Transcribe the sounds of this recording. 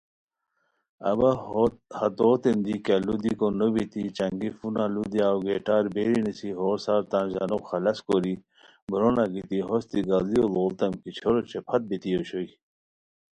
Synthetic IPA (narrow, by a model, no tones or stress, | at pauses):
ɐ̰bahɐt̪oːt̪ind̪ikelud̪ikonobit̪it͡ʃɐŋɡifunalud̪iaːwɡeːʈaːɾbeːɾinisiɦoːɾsaːɾt̪ãːnza̰nokxɐlɐskoɾi | bɾonaɡit̪iɦost̪iɡaliololt̪ɐmkit͡ɕʰoɾot͡ɕʰepʰɐt̪̚bit̪ioɕoi